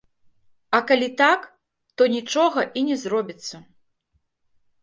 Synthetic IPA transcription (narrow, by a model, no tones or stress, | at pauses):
ɐkalʲit̪ak | t̪ɔnʲit͡ʂɔɣɐʔinʲɛzrɔbʲit̪sːɐ